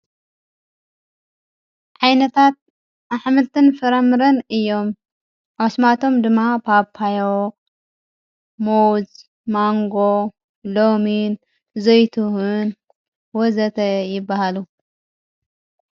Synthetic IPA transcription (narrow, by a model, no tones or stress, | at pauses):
ʕajnɐt̪ʰat̪̚ | aħmɨlt̪ʰɨnfɐɾɐmɨɾɐnɨjːo̞m | ʔaβsmat̪ʰo̞md̪ɨmːapʰapʰːajo | mowz | maŋɡo | lomin | zojt̪ʰuhun | wɔzɐt̪ʰɐjɪbːahalu